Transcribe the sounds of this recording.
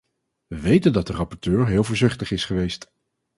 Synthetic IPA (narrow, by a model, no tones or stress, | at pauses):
ʋəʋejtəndɑt̚dərɑpɔɹtøːɹɦɪːlˠvoːɹzɪχtəχɪsχəʋejst